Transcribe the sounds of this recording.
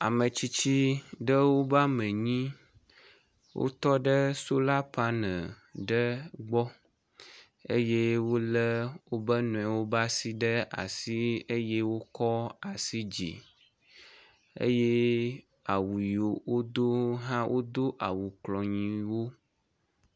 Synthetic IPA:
a˨mə̃˨t͡ɕi˦t͡ɕi˦ɖə˦wo˦ba˦mə̃˨ɲĩ˦ | wo̰˦t̪ɔ˦ɖə˦so˦la˦pa˦nə̃˨ | ɖə˦ɡ͡bɔ˦ | ḛ˦je˦wo˦lə˦wo˦bə˦nũ˨a˨wo˦ba˦si˦ɖə˦a̰˨si˦e˦je˦wo˦kɔ˦a˨si˦d͡ʑḭ˨ | ḛ˦je˦ | a˨wu˨ji˨o˨wo˦d̪o˦ɦã˦wʔo˦d̪o˦ʔa˨wu˨klɔ˨ɲĩ˨wo˦

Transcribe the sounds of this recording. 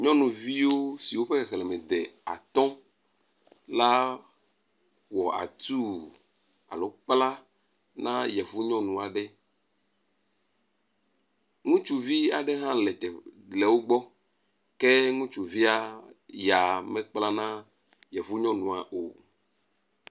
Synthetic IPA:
ɲɔ̃˦nũ˨vi˦wo˦si˨wo˦ɸe˦ɣlɛ˨mɛ̃˨d̪ɛ˨a̰˨t̪ɔ̃˦ | la˦ | wɔ˨ʔa̰˨t̪u˦ | a̰˨lo˦k͡pla˦ | nã˦jɛ˨vu˦ɲɔ̃˦nũ˨a˨ɖɛ˦ | ŋũ˦t͡ʃu˨vi˦a˨ɖɛ˦ɦã˦lɛ˨t̪ɛ˨lɛ˨wo˦ɡ͡bɔ˦ | ke˦ŋũ˦t͡ʃu˨vi˦a˦ja˨mɛ̃˦k͡pla˦nã˦ | jɛ˨vu˦ɲɔ̃˦nũ˨a˨ʔo˨

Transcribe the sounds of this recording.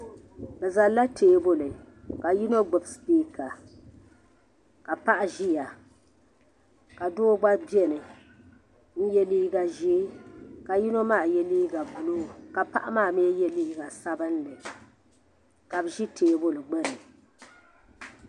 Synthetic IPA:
bɛ˨za˨la˦tʰeː˨bo˦lɨ˨ | ka˨ji˦no˦ɡ͡bʊ˨bspiː˦ka˨ | ka˨pa˦ʔa˦ʒi˦ja˨ | ka˨doː˦ɡ͡ba˦bɛ˦nɨ˨ | n̩˦jɛ˦liː˦ɡa˨ʒi˦ka˨ji˦no˦maː˦˨jɛ˦liː˦ɡa˨bu˨lo˦˨ka˨pa̰˦ʔa˦maː˦˨mi˦ɛ˦jɛ˦liː˦ɡa˨sa˦bɨ˦nlɨ˨ | ka˨bʒi˦teː˨bo˦lɨ˨ɡ͡bɛ˦nɨ˨

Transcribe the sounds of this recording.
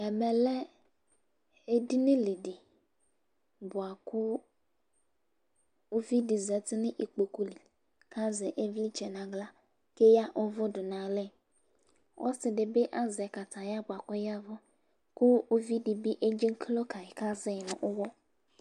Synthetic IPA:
ɛ˨mɛ˨lɛ˦ | e˦di˦nɪ̃˦li˨di˨ | bʊ˨a˨kʊ˦ | o˦vi˦di˨zɛ˨tɪ˦nɪ̃˦ʔi˨k͡po˨ku˦li˨ | ka˦zɛ˨ʔe˦vi˦t͡ʃɛ˨nã˨ɡla˦ | ke˦ja˦ʔɔ˦vɔ˦dʊ˨nã˨lɛ˦˨ | wʔɔ̰˦sɪ˨dɪ˨be˦ʔa˦zɛ˨ka˨ta˨ja˦bʊ˨a˨kɔ˦ja˦vɔ˦ | kʊ˦o˦vi˦di˨bi˦ʔe˦d͡ʒɪ˦ŋ˦kʰlo˦ka˨ka˦zɪ˦˨nʊ̰̃˨ʔʊ˦wɔ˦

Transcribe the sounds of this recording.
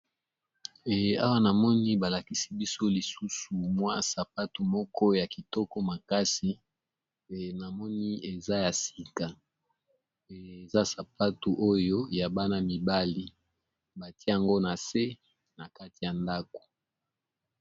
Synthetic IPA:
a̰˦wa˦na˨mɔ˦ni˦ba˨la˨ki˨si˦bi˦so˦li˨su˦su˨mwa˦sa˨pa˦tu˨mɔ˦kʰɔ˦ja˨ki˨tɔ˦kɔ˦ma˨ka˦si˨ | na˨mɔ˦ni˦e˨za˦ja˨si˨ka˨ | e˨za˦sa˨pa˦tu˨ʔo˦jo˦ja˨ba˦na˦mi˨ba˦li˦ | ba˨tje˦ja˨ŋɡo˦na˨se˦ | na˨ka˦ti˨ja˨nda˦ko̥˨

